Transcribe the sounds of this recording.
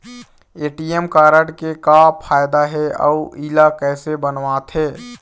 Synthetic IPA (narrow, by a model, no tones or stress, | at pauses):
eːʈiemkaːɾəɽkekapʰaːjd̪aɦɛɔ̰uʔiːlakɛːsebənʋaːt̪ɦɛː